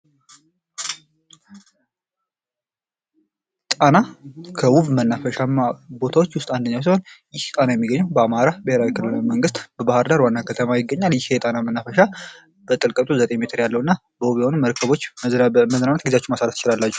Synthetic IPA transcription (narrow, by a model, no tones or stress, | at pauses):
t̪ʼanakʰəwuβmənːafəʃamabo̞t̪ʰawo̞t͡ʃːwʊst̪ʼand̪əɲːaws̬iho̞njɪht̪ʼanajɛmːiɡːəɲːɛwbəamaɾabəheɾawikʰɨlːɨlajməŋɡɨst̪b̥əbahəɾd̪aɾwanːakʰət̪ʰəmajɪɡːəɲːaljɪhejɛt̪ʼanamənːafəʃa | bət̪ʼɨlkʼət̪ʼuzət̪ʼeɲme̞t̪ʰɨɾjalːəhwɨnːa | bəwuβjɛho̞numəɾkʰəβo̞t͡ʃːməznanət̪̚ɡizat͡ʃːɛmasaɾət̪ɨt͡ʃɪlalːat͡ʃːu̥